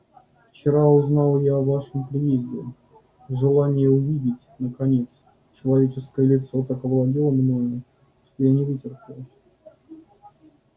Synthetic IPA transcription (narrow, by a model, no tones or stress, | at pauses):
ft͡ɕɪɾaʊznɑlˠjaɐvaʂɨmpɾʲɪjezʲdʲɪ | ʐɨlˠanʲɪjəʊvʲidʲɪtʲnəkɐnʲe̞t̪s | t͡ɕɪlˠɐvʲet͡ɕɪskəjəlʲɪt̪so̞t̪akəvlˠɐdʲilˠəmnoə | ʂt̪o̞janʲɪvɨtʲɪrpʲɪlˠʲ